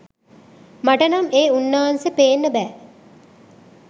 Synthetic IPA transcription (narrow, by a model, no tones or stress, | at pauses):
maʈənɐmeːunːaːansəpeːnːəbɛː